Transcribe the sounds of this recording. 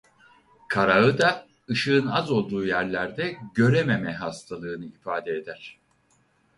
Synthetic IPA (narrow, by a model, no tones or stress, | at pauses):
kʰaɾaɯd̪a | ɯʃɯɯnazo̞lˠd̪uːjæɾlʲæɾd̪ɛɟø̞ɾememɛɦast̪ʰalˠɯːnɯifaːd̪ɛed̪æɾ̥